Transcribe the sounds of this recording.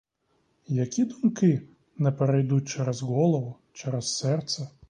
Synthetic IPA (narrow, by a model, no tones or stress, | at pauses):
jakʲid̪umkɪ | nɛpɛɾɛjd̪ut̚ʲt͡ʃɛɾɛzɣɔlˠɔʋʊ | t͡ʃɛɾɛsːɛrt̪sɛ